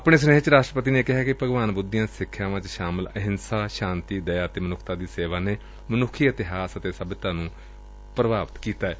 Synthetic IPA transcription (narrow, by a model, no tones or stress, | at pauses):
əpɳ̃eːs̬əneːɦt͡ʃɾaːʃʈɾəpət̪iːneːkɪɦaːkɪpəɡʋaːnbʊd̪ɪjãːsɪkʰːjaːʋãːt͡ʃʃaːmələɦɪnsaːʃãːnt̪iːd̪əjaːt̪eːmənʊkʰt̪aːd̪iːseːʋaːneː | mənʊkʰːiːɪt̪ɪɦaːsət̪eːsəbt̪ãːnũː | pɾəbaːʋət̪kiːt̪aːɛː